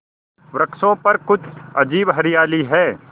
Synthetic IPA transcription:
ʋɾɐksõpɐɾkʊt͡ʃʰɐd͡ʒiːbɦɐɾɪjaːliɦɛː

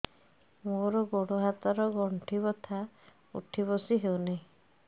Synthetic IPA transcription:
moɾɔɡoɽoɦat̪aɾɔɡɔɳʈʰibɔt̪ʰa | ṵʈʰibɔsiɦewnaĩ

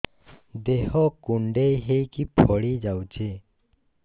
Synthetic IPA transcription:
d̪eɦɔkuɳɖejɦejkipʰɔɽid͡ʒawt͡ʃʰe

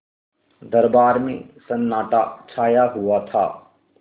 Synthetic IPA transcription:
d̪əɾbaːɾmḛ̃sɐnːaːʈa̰t͡ʃʰaːjaɦʊwat̪ʰa̰ː

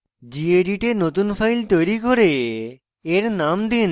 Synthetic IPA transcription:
d͡ʑieɖiʈenot̪unfʰajlt̪ojɾikoɾe | eɾnamd̪in

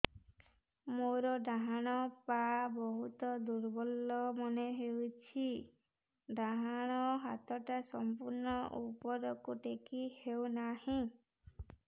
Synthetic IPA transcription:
moɾɔɖaɦaɽ̃ɔpabɔɦut̪ɔd̪uɾbɔlːɔmɔneɦewt͡ʃʰi | ɖaɦaɽ̃ɔɦat̪ʰɔʈasɔmpuɾnɔʔupɔɾɔkuʈekihewnahĩ

